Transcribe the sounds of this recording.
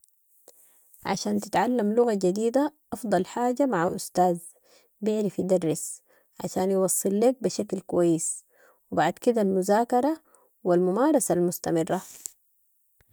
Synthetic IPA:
ʕa̰ʃaːnt̪ɪt̪ʕalːamlʊɣad͡ʒad̪iːd̪aʔɑfd̪ˤɑlħaːɟamaʕaʔʊst̪aːz | bɪʕlifid̪ɑrˤːɪs | ʕa̰ʃaːnjwɑsˤːɨlːeːk̚biʃaklkuwajːɪs | wibaʕd̪kid̪almʊzaːkɑɾˤɑ | wilmʊmaːɾˤɑsalmʊst̪amɪrːa

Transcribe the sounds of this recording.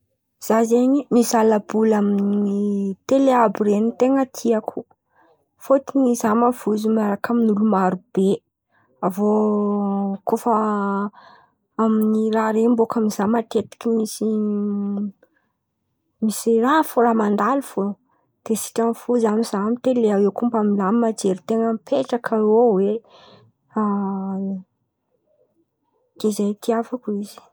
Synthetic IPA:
z̥azeɲimisalabulaminit̪eleabiɾenit̪eŋət̪ʰiakʰu | fot̪inizamavuzumaɾakaminulumaɾub̥e | avo | kofə | aminiɾaɾembokaminizamat̪et̪i̥kʲimisi | misirafoɾamand̪alufo | d̪̥esi̥ʈ͡ʂamifuzamizamit̪eleawewkumbamilammad͡ʒeɾit̪eŋəmipʰeʈ͡ʂakʰaowe | a | ɡ̥ezajt̪ʰiafakuizi̥

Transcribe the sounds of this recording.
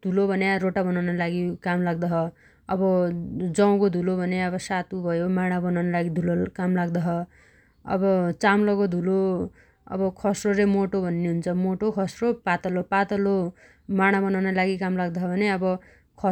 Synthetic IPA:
d̪ʱulobʱʌnjaɾoʈabʌnawnalaɡikamlaɡ̚d̪ʌɦʌ | ʌbʌd͡zʌw̃kod̪ʱulobʱʌnjaʌβʌsat̪ubʱʌjomaɽ̃abʌnawnʌlaɡid̪ʱulokamlaɡd̪ʌɦʌ | ʌ̰bʌt͡samlʌɡod̪ʱulo | ʌ̰bʌkʰʌsroɾemoʈobʱʌnːeɦunt͡sʰʌmoʈokʰʌsropat̪ʌlopat̪ʌlo | maɽ̃abʌnawnʌlaɡikamlaɡd̪ʌɦʰʌbʱʌneʌbʌ | kʰʌ

